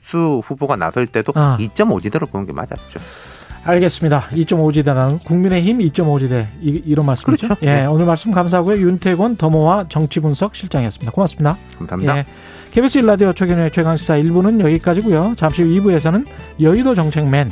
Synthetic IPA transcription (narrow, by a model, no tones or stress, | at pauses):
s͈ʰuɸuboɡana̰sʰʌiɭt͈e̞doit͡ɕ͈ʌmod͡ʑideɾoponɯnɡḛma̰d͡ʑa̰t̚t͡ɕ͈o | aɭɡe̞s͈ɯmɲidait͡ɕ͈ʌmod͡ʑideɾanɯnkuŋmine̞çimit͡ɕ͈ʌmod͡ʑide̞iɾʌnmaɭs͈ɯit͡ɕooje̞onɯɭmaɭs͈ɯmkams̬ʰaɦaɡujojuntʰe̞ɡwʌntʌmowat͡ɕʌŋt͡ɕʰibunsʰʌk̚ɕʰiɭt͡ɕ͈aŋiʌs͈ɯmɲid̪akomas͈ɯmɲidakamsamijea | kʰebis͈ʰɯiɭːadiot͡ɕʰeɡiɲuet͡ɕʰe̞ɡaŋɕʰid͡ʑaiɭbunɯnjʌɡik͈ad͡ʑiɡujot͡ɕamɕ͈ʰiibue̞sʰʌnɯnjʌidod͡ʑʌŋt͡ɕʰe̞ŋme̞n